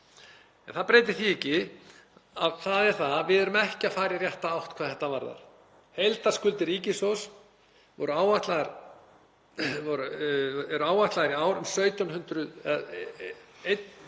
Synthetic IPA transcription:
ɛnθapɾeːjt̪ɪθiɛcɪ | aðθaðɛɾ̥θaðvɪðɛɾʏmɛhcɪafaːjɾjarjɛht̪aawht̪kʰvaːðθɛht̪ːavaɾða̰ɾ̥ | hejlt̪ḁskʏlt̪ɪɾiːcɪsows | vɔ̰ɾʏaːwvaht̪laɣaɾ | vɔɾɛɾʏaːwvaht̪laɣɾiaːwɾʏmsœːɥt̪ɔnhʏnt̪ɾʏðɛ | ejt̪

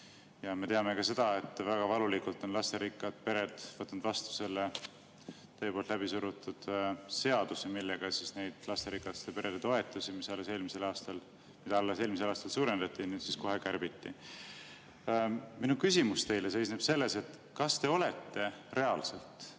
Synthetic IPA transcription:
jɑme̞t̪eɑme̞kɑse̞d̪̥ɑe̞t̪ːˑvæɡ̥ɑvɑlulikult̪ːˑo̞nlɑst̪eɾikːˑɑd̪̥̚pe̞ɾe̞d̪̥vɤt̪ːˑnd̪̥vɑst̪u̥se̞lːe | t̪ɤjepolt̪læbisuɾut̪ˑːud̪̥se̞ɑd̪̥usemilːe̞ɡ̥ɑsisne̞jd̪̥lɑst̪eɾikːˑɑt̪st̪epe̞ɾʔed̪et̪o̞e̞t̪ːˑusimisɑlːese̞ːlmise̞lɑːst̪ɑl | mid̪ɑɑlːeseːlmiselɑːst̪ɑlsuːɾend̪̥ɑt̪ːˑinyːd̪̥sisko̞ɦe̞kæɾb̥it̪ːḭ | minukysimust̪e̞jle̞se̞jsneb̥se̞lːe̞se̞t̪ˑ | kɑst̪e̞o̞le̞t̪ːe̞re̞ɑlse̞lt̪ˑ

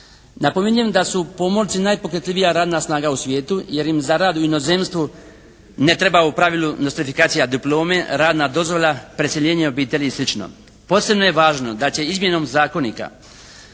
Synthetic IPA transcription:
napo̞meɲujemd̪asupo̞mo̞lˠt̪sinajpo̞kɾet̪liʋijaɾaːd̪nasnaːɡausʋʲje̞ːt̪uje̞ɾjimzaɾaːd̪uino̞ze̞ːmst̪ʋu | ne̞t̪ɾe̞baupɾaʋilunost̪ifikaːt̪sijad̪iplˠo̞ːme̞ɾaːd̪naːd̪o̞zʋo̞ʎapɾeseʎe̞ːɲeo̞biːt̪e̞ʎislˠit͡ʃno̰ | po̞ːse̞bno̞je̞ʋaːʒno̞d̪at͡ɕe̞izmje̞no̞mzaːko̞nḭka̰

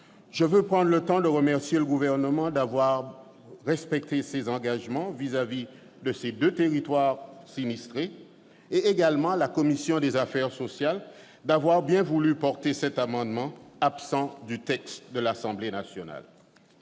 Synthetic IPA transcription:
ʒəvøpχɑ̃d̪ʁlət̪ɑ̃d̪əʁəmɛʁsjeləɡuvɛʁnəmɑ̃d̪avwaʁ | ʁɛspɛk̚t̪esezɑ̃ɡaʒmɑ̃vizavi | d̪əsed̪øt̪eʁit̪waʁsinist̪χe | eːɡalmɑ̃lakɔmisjɔ̃d̪ezafɛʁsɔsjal | d̪avwaʁbjɛ̃vulypɔʁt̪esɛt̪amɑ̃d̪mɑ̃apsɑ̃d̪yt̪ɛkst̪d̪əlasɑ̃blenasjɔna̰l

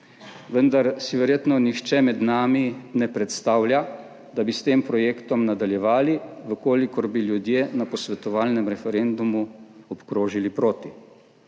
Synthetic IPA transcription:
ʋənd̪aɾsiʋɛɾjeːt̪nɔnixt͡ʃɛmɛd̪naːminɛpɾɛt̪st̪aːwlja | d̪abist̪eːmpɾɔjeːkt̪ɔmnad̪aljɛʋaːliʋəkoːlikɔɾbiljud̪jeːnapɔsʋɛt̪ɔʋaːlnɛmɾɛfɛɾend̪umuɔpkɾoːʒilipɾoːt̪i

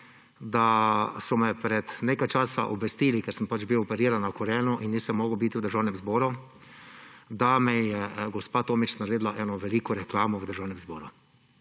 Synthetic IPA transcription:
d̪asɔmɛpɾɛt̪neːkajt͡ʃaːsa̰ʔɔbʋɛst̪iːlikɛɾsəmpad͡ʒbiwɔpɛɾiːɾanːakɔɾɛnɔʔinːisɛmːɔːɡəwbit̪iwd̪əɾʒaːwnɛmzbɔːɾu | d̪amɛjɛɡɔspaːt̪oːmit͡ʃnaɾeːd̪laʔɛnɔʋɛliːkɔɾɛklaːmɔwəd̪əɾʒaːwnɛmzbɔːɾu

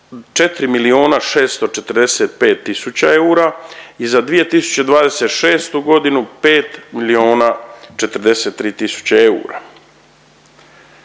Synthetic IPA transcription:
t͡ʃe̞t̪ɾimilio̞ːnaʃe̞ːst̪o̞t͡ʃe̞t̪ɾ̩d̪eset̪̚pe̞ːt̪ːisut͡ɕae̞uːɾaizad̪ʋije̞t̪isu̥t͡ɕed̪ʋaːd̪e̞set̪ʃe̞ːst̪uɡo̞d̪inupe̞ːt̪milio̞ːnat͡ʃe̞t̪ɾd̪eseːt̪ːɾiːt̪isu̥t͡ɕeeṵːɾa̰

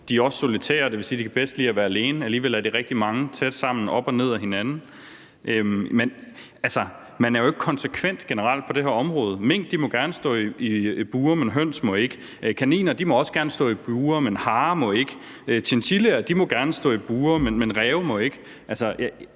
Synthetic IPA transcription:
d̥iæɒ̽sso̝lit͡sʰɛ̰ːɐde̝ʋe̝lsiːdikʰæb̥esd̥liːæʋæːɐæle̝ːnəæliːʋel̰æɐd̥iʁɛɡ̥̚d̥imɑ̈ŋət͡sʰed̥sɑ̈m̰n̩ɒ̽b̥ɒ̽ne̝ð̰ˠæɦe̝nænn̩ | ʔømen | ælsɐ | mænæɐjoe̝ɡ̥ə̥kʰɒ̽nsekʰʋen̰d̥ɡ̥enəʁɑ̈l̰d̥̚pʰɒ̽ɾ̥e̝ɦeɐɒ̽mʁɔːð̞ˠme̝ŋ̰d̥ːimɒ̽ɡ̥æɐnəsd̥ɔ̰̽ːiib̥uːɐmenɦøn̰smɒ̽e̝ɡ̥ə | kʰænḭːnɐd̥imɒ̽ɒ̽sɡ̥æɐnəsd̥ɔ̰̽ːib̥uːɐmenhɑ̈ːmɒ̽e̝ɡ̥ə | t͡sʰent͡sʰileɐd̥imɒ̽ɡ̥æɐnəsd̥ɔ̰̽ːib̥uːɐmenmenʁɛːʊmɒ̽e̝ɡ̥ə | ʔælsɐj

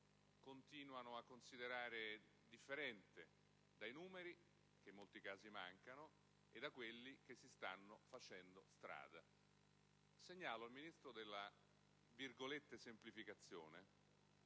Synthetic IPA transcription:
kont̪iːnwanoakːonsid̪eɾaːɾe | d̪ifːeɾɛnt̪e | d̪ajnuːmeɾi | k̟emːolt̪ikaːzimaŋkano | ed̪ːakwelːik̟esːist̪anːofat͡ʃɛnd̪ost̪ɾa̰ːd̪a | seɲːaːloilminist̪ɾod̪elːa | virɡolet̪ːesemplifikat̪sːjo̰ːne

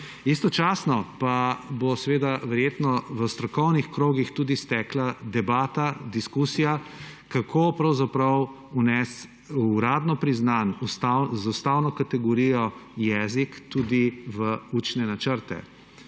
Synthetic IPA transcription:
ist̪ɔt͡ʃasnɔpabosɛʋeːd̪aʋɛɾjeːt̪nɔʋəst̪ɾɔkɔwnixkɾoːɡixt̪uːd̪ist̪ɛːklad̪ɛbaːt̪ad̪iskusijakakʰopɾɐwzapɾɐw | unɛs | ɾaːd̪nɔpɾiznanust̪azaust̪awnɔkat̪ɛɡɔɾijɔjɛzikt̪ud̪iʋəuːt͡ʃnɛnat͡ʃəɾt̪ɛ̰

